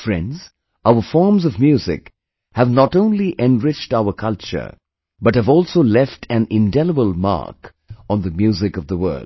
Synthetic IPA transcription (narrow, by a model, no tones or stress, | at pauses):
fɹɛ̰̃ndz̥ | aʊəfɔɹmzʌvmjuzɪ̰k | hævnɔtõʊ̃nliʔɛ̃nɹɪt͡ʃtaʊəkʰʌlˠt͡ʃə̰˞ | bʌt̚hɨvɔːlˠsoʊlɛftʰæ̃nɪ̃ndɛləbəlˠma̰ɹk | ɔ̃nðəmjʉːzɪkʌvðəwɜ̰˞ld̥